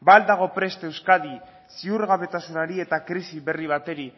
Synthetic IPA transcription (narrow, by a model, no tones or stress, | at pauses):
bald̪aɣ̞o̞pɾe̞st̪e̞wskaði | siuɾɣaβe̞t̪asunaɾie̞t̪akɾisiβe̞riβ̞at̪e̞ɾi